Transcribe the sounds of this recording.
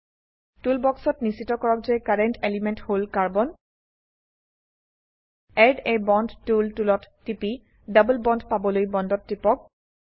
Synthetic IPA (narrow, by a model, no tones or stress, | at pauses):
tulbɔksɔtnisitɔkɔɹɔk̚zekaɹɛntʰelimentholkaɹbɔn | ɛdebɔndtultulɔtːipi | dabulbɔndpabɔlojbɔndɔtːipɔk̚